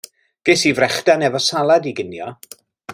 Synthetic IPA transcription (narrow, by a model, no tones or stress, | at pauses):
ɡ̥esivrɛχd̥anɛvɔsalˠadiɡɪnjɔ